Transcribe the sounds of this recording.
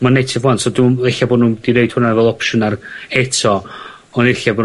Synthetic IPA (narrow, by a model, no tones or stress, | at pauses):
manejtʰɪvwantsɔdueɬaboːdnuːdinejd̥hʊnavɛlˠɔpʃʊnarhɛtʰɔ | ɔnɪɬabo